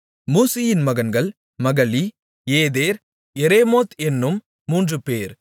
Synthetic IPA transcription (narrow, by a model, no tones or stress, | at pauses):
muːsɪjɪnmɐɣɐnɡɐɭ | mɐɣɐli | eːðeːɾ | ɛɾeːmoːt̪ɛnːɯmː | uːndrɯpeːɾ